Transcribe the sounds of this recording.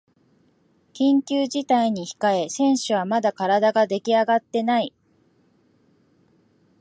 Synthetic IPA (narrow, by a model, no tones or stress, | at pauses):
kʲĩŋkʲɨːʑit̪aiɲ̟içi̥kae̞sẽ̞ɰ̃ɕɨβamad̪akaɾad̪aɡad̪e̞kʲiaɡat̪ːe̞nai